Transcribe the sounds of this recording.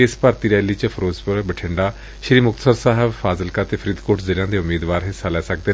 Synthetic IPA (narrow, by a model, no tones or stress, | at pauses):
eɪspəɾt̪iːɾɛːliːt͡ʃəpʰəɾoːzpəɾbəʈʰɪɳɖaː | ʃɾiːmʊkt̪ə̥səɾsaːɦəbfaːzəlkaːt̪eːpʰəɾiːd̪koːʈzɪljãːd̪eːʊmiːd̪ʋaːɾɦɪsaːlɛːsək̚d̪eː